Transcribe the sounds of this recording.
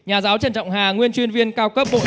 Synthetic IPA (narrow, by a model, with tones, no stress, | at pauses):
ɲaː˨˩zaː˨˦wt͡ɕə˨˩nt͡ɕɔ̰˧˨wŋ͡mɦaː˨˩ŋwi˧ənt͡ɕwi˧ənvi˧ənkaː˧wkə˦˥p̚ɓo̰˧˨